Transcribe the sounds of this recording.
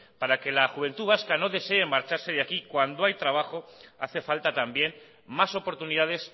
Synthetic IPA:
paɾake̞laxuβ̞e̞nt̪uβaskano̞ðe̞se̞emaɾt͡ʃaɾse̞ðakikwand̪oajt̪ɾaβ̞axo̞a̰θe̞falt̪at̪ambje̞n | maso̞po̞ɾt̪uniðaðe̞s

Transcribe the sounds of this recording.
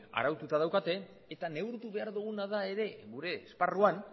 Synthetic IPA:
a̰ɾawt̪ut̪að̞awkat̪e̞ː | t̪ane̞wɾt̪uβe̞aɾðuɣ̞unaðae̞ɾe̞ɣuɾe̞sparuan

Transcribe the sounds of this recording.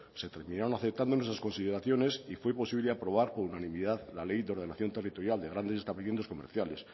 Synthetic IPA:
se̞t̪e̞ɾmĩnaɾonaθe̞p̚t̪and̪onwes̬asko̞nsiðe̞ɾaθjo̞ne̞sifwe̞po̞siβleapɾo̞β̞aɾpo̞ɾunanĩmiðaðlale̞jðeo̞ɾðenaθjo̞nt̪e̞rit̪o̞ɾjald̪eɣɾand̪e̞sest̪aβlimenosko̞meɾθjale̞s

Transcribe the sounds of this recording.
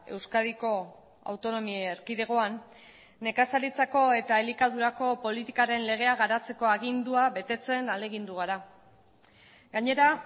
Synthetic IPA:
e̞̰wskaðiko̞ | a̰wt̪o̞no̞mieeɾkiðe̞ɣ̞o̞anː | e̞kasalit͡sako̞e̞t̪aelikaðuɾako̞po̞lit̪ikaɾe̞nle̞ɣ̞e̞aɣ̞aɾat͡se̞ko̞aɣ̞ind̪uaβe̞t̪e̞t͡se̞nale̞ɣ̞ind̪uɣ̞aɾa | ɡaɲe̞ɾa

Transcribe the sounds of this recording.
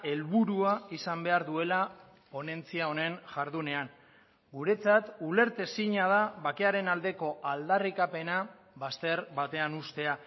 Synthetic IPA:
e̞lβuɾuaisambe̞aɾðue̞la | po̞ne̞nt͡siao̞ne̞ŋʝaɾðune̞aŋ | ɡuɾe̞t͡sat̪ule̞ɾt̪e̞siɲað̞aβake̞aɾe̞nald̪e̞ko̞ʔald̪arikape̞na | βast̪e̞ɾβat̪e̞anust̪e̞a

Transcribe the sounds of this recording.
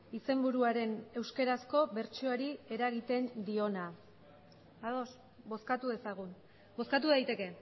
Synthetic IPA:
ise̞mbuɾuaɾe̞ne̞wske̞ɾasko̞βe̞ɾt͡ʃioaɾie̞ɾaɣ̞it̪e̞nd̪io̞na | aðo̞s | bo̞skat̪uðe̞saɣ̞un | bo̞skat̪̬uðajt̪e̞ke̞

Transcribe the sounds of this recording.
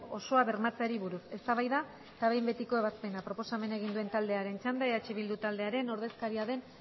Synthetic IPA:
o̞so̞aβe̞ɾmat͡seaɾiβuɾuse̞st̪aβajða | t̪aβe̞jmbe̞t̪iko̞e̞β̞aspe̞napɾo̞po̞same̞nae̞ɣind̪ue̞nt̪ald̪e̞aɾe̞nt͡ʃand̪aeat͡ʃiβild̪ut̪ald̪e̞aɾe̞no̞ɾðe̞skaɾiaðe̞n

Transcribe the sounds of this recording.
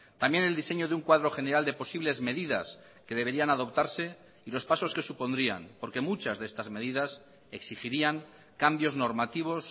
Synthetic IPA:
t̪amje̞ne̞ld̪ise̞ɲoðeuŋkwaðɾo̞xe̞ne̞ɾald̪e̞po̞siβle̞zme̞ðiða̰s | ke̞ðe̞βe̞ɾianaðo̞pt̪aɾse̞ | ilo̞spaso̞ske̞supo̞nd̪ɾia̰npo̞ɾke̞mut͡ʃazðee̞st̪azme̞ð̞iðas | eksixiɾiaŋ | kambjo̞zno̞ɾmat̪iβ̞o̞s

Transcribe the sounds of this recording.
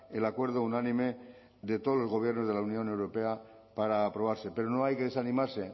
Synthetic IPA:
elakweɾð̞ounanĩme̞ | ðe̞t̪oðolo̞zɣ̞o̞β̞je̞ɾno̞zðelaunjõ̞ne̞wɾo̞pe̞a | paɾaːpɾo̞β̞aɾse̞pe̞ɾono̞ajkeðesanĩmaɾse̞

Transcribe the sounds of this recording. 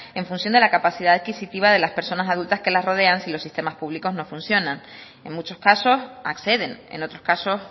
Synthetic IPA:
e̞ɱfũnsjo̞nd̪e̞lakapasiðaaðkisit̪iβ̞aðe̞laspe̞ɾso̞nasaðult̪aske̞lasro̞ð̞e̞ansilo̞sːist̪e̞maspuβliko̞zno̞funsjo̞nãŋ | e̞ŋmut͡ʃo̞skaso̞sa̰kse̞ðe̞nḛno̞t̪ɾo̞skaso̞s

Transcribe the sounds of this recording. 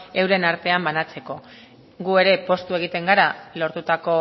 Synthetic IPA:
e̞wɾe̞naɾt̪e̞ambanat͡se̞ko̞ | ɡue̞ɾe̞po̞st̪ue̞ɣ̞it̪e̞ŋɡaɾalo̞ɾt̪ut̪ako̞

